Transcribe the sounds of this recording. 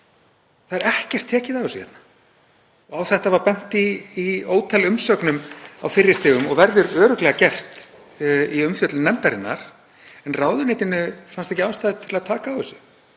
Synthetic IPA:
θaðɛɾɛhcɛr̥t̪ʰːɛːcɪðavʏsʏhɛ̰t̪nḁ | ɔawθɛht̪avaɾpɛn̥t̪iːoːwt̪ʰɛlʏmsœknʏma̰wfɪrːɪst̪ɪːɣʏmɔɣvɛɾðʏɾœːɾʏklɛɣacɛr̥t̪ | iʏmfjœt̪lnɛmt̪aɾɪnːa̰ɾ̥ | ɛnraːwðʏneːjt̪ɪnʏfanst̪ɛhcɪaːwst̪aːðɪt̪ʰɪlaðt̪ʰaːkaːwʏsʏ

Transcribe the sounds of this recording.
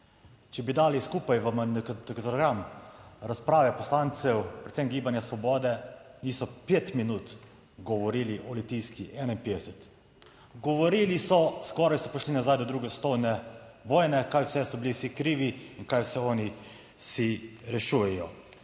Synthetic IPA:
t͡ʃɛbid̪aːliskuːpajʋəmd̪ɛkt̪ɔɾɡɾamɾaspɾaːʋɛpɔslant̪sɛwpɾɛt̪sɛmɡiːbanjasʋɔbɔːd̪ɛniːsɔpeːt̪minuːt̪ | ɡɔʋɔɾiːliʔɔlit̪iːskiʔɛːnainpeːd̪ɛsɛt̪ | ɡɔʋɔɾilisɔskɔːɾajsɔpɔʃlinazaːjd̪ɔd̪ɾuːɡɛst̪ɔwnɛʋɔːjnɛkajwsɛsɔbiliwsikɾiːʋiinkajwsɛɔːni | siɾɛʃujɛjɔ

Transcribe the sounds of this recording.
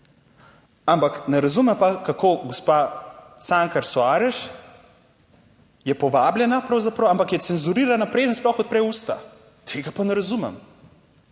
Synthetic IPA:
ampaknɛɾazumɛmpakakoɡospasaŋkaɾsoaːɾɛʃ | jɛpɔʋaːblʲjɛnapɾɐwzapɾɐwampakjɛt̪sɛnzuɾiːɾanapɾeːd̪ənsplɔxɔt̪̚pɾɛjuːst̪a̰ | t̪ʰeːɡapanɛɾazumɛ̰m

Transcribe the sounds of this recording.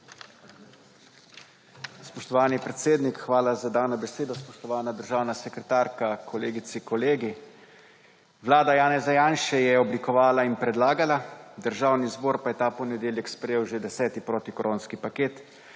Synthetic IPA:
spɔʃt̪ɔʋaːnipɾɛt̪seːd̪nikxʋaːlazad̪aːwnɔbɛseːd̪ɔspɔʃt̪ɔʋaːnad̪əɾʒaːwnasɛkɾɛt̪aːɾkakʰɔleːɡit̪sikɔleːɡi | ʋlaːd̪ajaːnɛzajaːnʃɛjɛɔblikɔʋaːlainpɾɛd̪laːɡalad̪əɾʒaːwnizboːɾpajɛt̪aːpɔnɛd̪eːljɛkspɾɛjeːwʒed̪ɛsɛːt̪ipɾoːt̪ikoɾʔoːnskipakeːt̪

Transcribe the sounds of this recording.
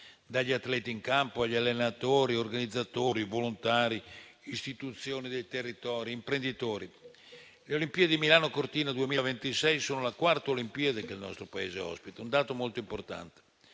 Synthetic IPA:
d̪aʎːiat̪ːlɛːt̪iːŋkampoaʎːalːenat̪oːɾiorɡanid̪zːat̪oːɾivolont̪aːɾiist̪it̪ut̪sːjoːnid̪ejt̪erːit̪ɔːɾiːmpɾend̪it̪oːɾi | leolimpiːed̪imilaːnokort̪iːnad̪uemiːlavent̪isɛjsoːnolakwart̪aolimpiːad̪ekelnɔ̰st̪ɾopaḛːzeɔ̰spit̪aund̪aːt̪omolt̪oimport̪a̰nt̪e̥

